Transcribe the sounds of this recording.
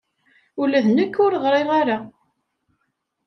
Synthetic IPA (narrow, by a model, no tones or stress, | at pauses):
ulæðnəkːʊɾʁɾˤɪʁaɾa